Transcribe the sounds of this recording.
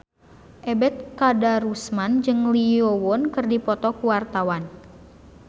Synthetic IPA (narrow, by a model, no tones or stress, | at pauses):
ʔɛbɛt̪̚kadaɾusmand͡ʒɨŋliɔwɔnkɨrdipɔt̪ɔkuwart̪awan